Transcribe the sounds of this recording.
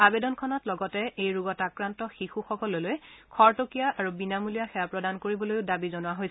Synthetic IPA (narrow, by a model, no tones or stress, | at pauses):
abedɔnkʰɔnɔtlɔɡɔtɛʔejɹuɡɔtakɹantɔxixuxɔkɔlolojkʰɔɹtokijaʔaɹubinamulijaxɛjapɹɔdankoɹibɔlojʊdabizɔnʊwaɦojsɛ